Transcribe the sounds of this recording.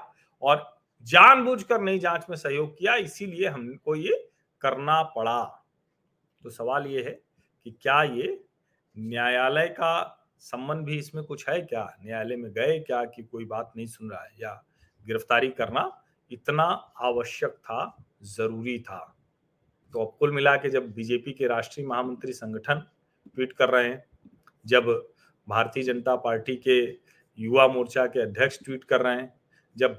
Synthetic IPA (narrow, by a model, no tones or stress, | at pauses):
ɔːɾ | d͡ʒaːnbuːd͡ʒʱkəɾnɐɦĩd͡ʒãːt͡ʃmẽsɐɦjoːɡ̚kijaɪsilieɦɐmkoje | kɐɾnapɐɽa | t̪osɐʋaːljeɦɛ | kikjaːje | njaːjaːləjka | sɐ̃mbə̃nd̪̚ʱbʱiɪsmẽkʊt͡ʃʰɦɛekja̰ːnjaːjləmẽɡɐekjaːkikoːibaːt̪nɐɦĩsʊnɾa̰ːeja | ɡɪɾəft̪aːɾikɐɾna | ɪt̪naaːʋəʃjək̚t̪ʰa | zɐɾuːɾit̪ʰa̰ː | t̪oɐp̚kʊlmɪlaked͡ʒɐbːid͡ʒeːpikeɾaːʃʈɾijəmɐɦamə̃nt̪ɾisɐ̃ŋɡʱəʈʰən | ʈwiːʈkɐɾːəɦẽ | d͡ʒɐb | bʱaːɾt̪iəd͡ʒənət̪apaːɾʈike | juːʋamoːɾt͡ʃakeɐd̪ʱjəkʃʈwiːʈkɐɾːəɦɛ̃ | d͡ʒɐb̚